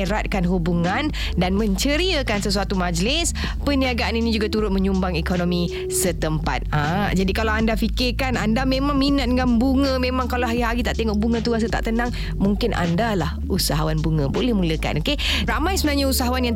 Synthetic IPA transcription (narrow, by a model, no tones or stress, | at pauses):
ɾat̪̚kanɦubuŋan | danməɲt͡ʃəɾiəkansəsuat̪umad͡ʒlɪs | pəniaɡaʔaninid͡ʒuɡat̪uɾʊt̪̚məɲumbaŋekonomi | sət̪əmpa̰t̪̚ãd͡ʒadikalawandafikɪrkanandamẽmãŋminat̪̚dɡanbuŋə̃memãŋkalaɦaɡiɦaɡit̪aʔt̪eŋɔk̚buŋə̃t̪uɡasət̪a̰ʔt̪ənaŋ | muŋkɪnʔa̰ndalah | usaɦawanbuŋəbolɛhmuləka̰nokeɾamajsəbənaɲausaɦawanjaŋ